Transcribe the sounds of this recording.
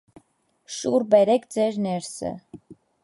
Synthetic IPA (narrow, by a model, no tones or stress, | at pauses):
ʃuɾbɛɾɛk̪ʰd͡zɛɾnɛɾsə̰